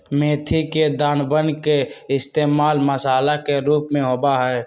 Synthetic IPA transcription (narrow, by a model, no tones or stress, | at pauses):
meːt̪ʰiked̪aːnbənkeɪst̪eːmaːlməsaːlakeɾuːpmẽɦoːbaɦɛː